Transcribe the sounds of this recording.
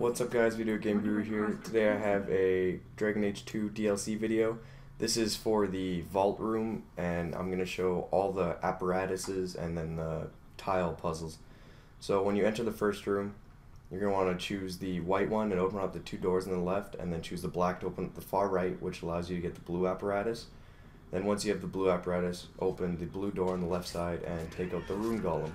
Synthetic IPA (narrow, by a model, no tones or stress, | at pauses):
wʌtsʌp̚ɡ̥aɪzwiɾɨɨɡẽɪ̃mɡɹuɦiɹtʰɨdeɪaɪɨvɨdɹæɡɨ̃neɪ̥ʒ̥tʰʉdiɛlˠsivɪɾioʊ | ðɪsɪz̥fə˞ðɨvɔlˠʔɹũmʔɨ̃nã̰ɪ̃mɡʌnɨʃoʊʔɔlˠðiʔæpə˞æɾɨsɪzɨ̰̃nðɨ̃nðə | tʰaɪl̩ˠpʰʌzl̩ˠz̥ | soʊwə̃njɨɛ̃ntə˞ðəfɜ˞st̚ɹʉ̃m | jə˞ɡʌnəwɑ̃nɨt͡ʃʰʉzðɨwaɪʔ̚wʌ̃nɨ̃noʊpə̃nʌp̚ðɨtʰʉdɔɹzn̩ðəlɛftɨ̰̃nðɨ̃nt͡ʃʰʉzðəblæk̚tʰoʊpə̃n̩ðəfɑɹɹaɪʔ̚wət͡ʃəlaʊzjɨɾɨɡɛt̪̚ðəbluæpə˞æɾɨs | ðɨ̃nwʌ̃nsjɨːvðəbluæpə˞æɾɨsʔo̰ʊpɨ̃nðɨbludɔɹɑ̃nðəlɛftsaɪɾɨ̃ntʰeɪkaʊt̪̚ðəɹũmɡɑlˠə̃m